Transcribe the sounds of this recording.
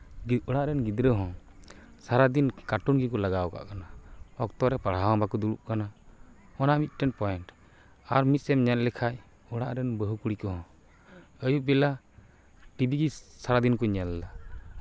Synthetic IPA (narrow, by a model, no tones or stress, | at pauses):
ɔɽaʔɾɛnɡid̪ɾəɦɔ̃ | saɾad̪inkaʈunɡikɔlaɡawka̰ʔkanaɔk̚t̪ɔɾɛpaɽ̤awãbakɔd̪uɽṵʔkana | ɔnamit̪̚ˀʈɛnpɔjɛnʈ | aɾmit̪̚sɛmɲɛt̪̚lɛkʰaʔ | ɔɽaʔɾɛnbəɦukuɽikɔɦɔ̃ | əjuʔbɛla | ʈibiɡisaɾad̪inkɔɲɛld̪a